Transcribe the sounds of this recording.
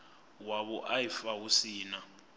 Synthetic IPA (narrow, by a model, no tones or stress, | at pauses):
waɓɔʔajifawusiːna